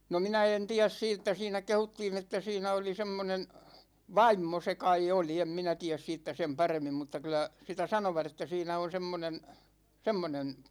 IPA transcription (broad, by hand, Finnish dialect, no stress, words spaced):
no minæ en tiæs siːtːæ siːnæ kehutːiːn etːæ siːnæ oli semːonen ʋɑimːo se kɑi oli em minæ tiæs siːtːæ sem pɑremːim mutːɑ kylæ sitæ sɑnoʋɑt etːæ siːnæ on semːonen semːonen